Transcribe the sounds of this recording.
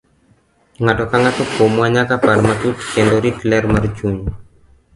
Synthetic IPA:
ŋatɔkaŋatokomwaɲakapaɾmat̪utkend̪ɔɾitlɛɾmaɾd͡ʒuɲ

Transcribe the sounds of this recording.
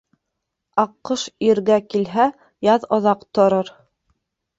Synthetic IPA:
ɑqːɤʃiɾɡækilɦæ | jɑðŏðɑqt̪ŏɾɤɾ

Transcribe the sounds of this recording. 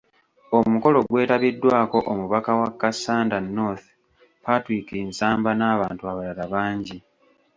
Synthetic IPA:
o̞muko̞lo̞ɡwe̞ːtaβidːwaːko̞ʔomuβakawakːasːaːndanːoθ | patwikeːnsaːmbanaːβaːntuaβalalaβaːɲɟi

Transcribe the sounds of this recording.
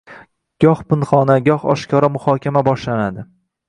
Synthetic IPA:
ɡ̥ɒhpɪnχɒnaɡʲɒhɒ̰ʃkʰʲɒɾamʊhɒkʲʰamabɒʃlanad̪ɪ

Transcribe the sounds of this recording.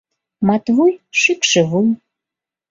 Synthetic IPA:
mɑt̪βujʃikʃə̆βuj

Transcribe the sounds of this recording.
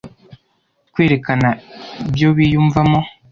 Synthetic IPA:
kweːɾekanaibjoβijuːɱvamo

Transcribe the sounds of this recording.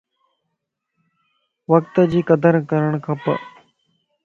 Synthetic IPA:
ʋəkt̪əd͡ʑiːkəd̪əɾkəɾəɳ̃kʰəpə

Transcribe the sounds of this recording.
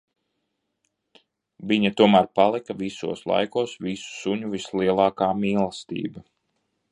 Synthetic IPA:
viɲɐt̪uɔmæɾpalˠikɐʋisuɔslˠa̰jkuɔsʋisu̥suɲuvisliɛlˠɑːkaːmiːlˠast̪ḭːbɐ

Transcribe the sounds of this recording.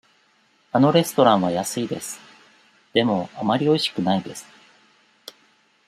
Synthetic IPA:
ano̞ɾe̞sɨ̥t̪o̞ɾãɰ̃β̞ajasɨid̪e̞sɨ̥ | d̪̥e̞mo̞amaɾʲio̞iɕi̥kɯ̟naid̪e̞sɨ̥

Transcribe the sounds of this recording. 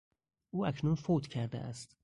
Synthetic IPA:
ʔuːæcʰnunfoːt̪cʰæɾd̪ḛʔæ̰st̪

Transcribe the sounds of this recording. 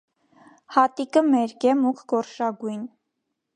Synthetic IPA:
hɑt̪ikəmɛɾkɛmukʰɡ̥ɔɾʃɑɡujn

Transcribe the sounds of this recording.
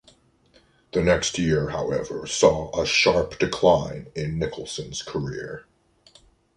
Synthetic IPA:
ðɨnɛkst̚jɪɹhaʊɛvə˞sɔəʃɑɹpd̥ɨkʰl̥ãɪ̃nɪ̃nːɪkʰl̩ˠsɨ̃nz̥kʰə˞ɪɹ

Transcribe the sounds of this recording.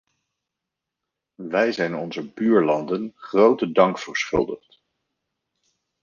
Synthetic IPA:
ʋɛjzɛjnɔnzəbyːɹlɑndənχrowtədɑŋkfəɹsχɵ̰lˠdəχt

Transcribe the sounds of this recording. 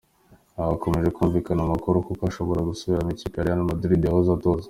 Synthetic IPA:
aβako̞me̞ʒe̞kuːɱvikanamakuɾokokaʃo̞βo̞ɾaɡusuβiɾamicikaɾejanamaduɾideahozato̞ːzḁ

